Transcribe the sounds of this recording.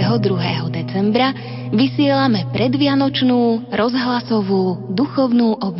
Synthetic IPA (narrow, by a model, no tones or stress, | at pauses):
ɛɦɔd̪ɾuɦɛːɦɔd̪ɛt͡sɛmbɾa | ʋisɪɛlamɛpɾɛd̪ʋɪanɔt͡ʃnuːɾɔzɦlasɔʋuːd̪uxɔʊnuːʔɔb